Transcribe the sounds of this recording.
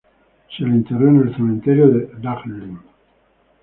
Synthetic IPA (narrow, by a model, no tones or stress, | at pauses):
ʃelint̪erenelsemẽnt̪eɾjod̪ed̪aχlːin